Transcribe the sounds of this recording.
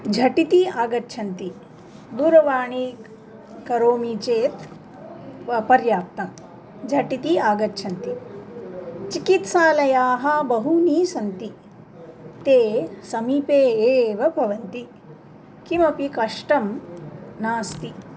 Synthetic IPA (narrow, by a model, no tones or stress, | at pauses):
d͡ʒʱɐʈit̪iaːɡɐtːʃʰɐnt̪i | d̪uɾɐʋaːɳi | kɐɾoːmit͡ʃeːt̪ | pɐɾjaːp̚t̪ɐm | d͡ʒʱɐʈit̪iaːɡɐtːt͡ʃʰɐnt̪i | t͡ʃikit̪saːlɐjaːɦɐbɐɦuniːsɐnt̪i | t̪eːsɐmiːpeːeːʋɐbʱɐʋɐnt̪i | kimɐpikɐʂʈɐmnaːst̪i